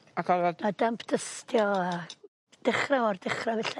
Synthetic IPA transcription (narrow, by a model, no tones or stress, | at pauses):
akʰɔɾɔadampʰd̥ʰəstʰjɔa | d̥ɪχraɔrdɪχravɛɬɛ